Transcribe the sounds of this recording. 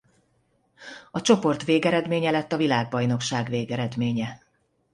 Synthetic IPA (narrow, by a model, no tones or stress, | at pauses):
ɒt͡ʃo̞po̞rt̪veːɡɛɾɛd̪meːɲɛlɛt̪ːɒvilaːɡbɒjno̞kʃaːɡveːɡɛɾɛd̪meːɲɛ